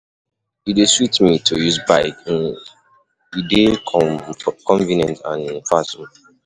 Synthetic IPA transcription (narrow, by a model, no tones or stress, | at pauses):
judeswitmitʰojuzbaɪk | jude | kɔ̃nvinɛ̃ntã̰nnfasum